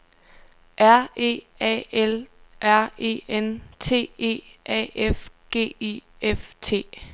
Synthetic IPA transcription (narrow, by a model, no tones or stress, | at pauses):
ʔæɐ̰ḛː | ɛelʔæɐ̰e̝̰ːent͡sʰe̝̰ːe̝̰ːʔɛ̰ːefɡ̥e̝̰ːieft͡sʰe̝̰ː